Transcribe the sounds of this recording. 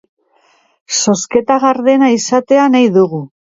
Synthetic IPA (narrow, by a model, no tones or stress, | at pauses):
so̞ske̞t̪aɣaɾðe̞naisat̪e̞anajðuɣu